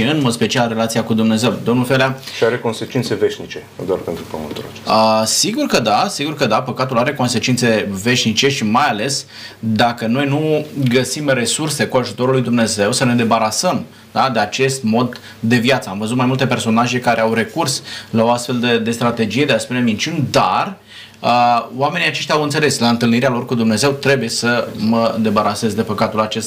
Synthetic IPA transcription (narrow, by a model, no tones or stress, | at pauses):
iɨnmo̞d̪spe̞t͡ʃialre̞lat̪siakud̪umne̞ze̞wd̪omnulfeleaʃiaɾe̞ko̞nse̞t͡ʃint̪se̞ve̞ʃnit͡ʃe̞d̪oarpent̪ɾupəmə̰t̪uɾa̰t͡ʃe̥əsiɡurkəd̪asiɡurkəd̪apəkat̪ulaɾe̞ko̞nse̞t͡ʃint̪se̞ve̞ʃnit͡ʃe̞ʃimajale̞s | d̪akəno̞jnuɡəsimre̞surse̞kuaʒut̪o̞ɾulːujd̪umne̞ze̞wsəne̞d̪e̞baɾasəm | d̪ad̪e̞at͡ʃe̞st̪mo̞d̪ː | e̞vjat̪səamvəzut̪majmult̪e̞pe̞rso̞naʒe̞kaɾʔe̞awre̞kurslao̞ast̪fe̞ld̪ed̪e̞st̪ɾat̪e̞d͡ʒije̞d̪easpune̞mint͡ʃʲunʲd̪ar | əwame̞nijat͡ʃe̞ʃt̪ʲjawɨnt̪se̞leslaɨnt̪ɨlniɾealo̞rkud̪umne̞ze̞wt̪ɾe̞buje̞səməd̪e̞baɾase̞zd̪e̞pəkat̪ulat͡ʃe̞st̪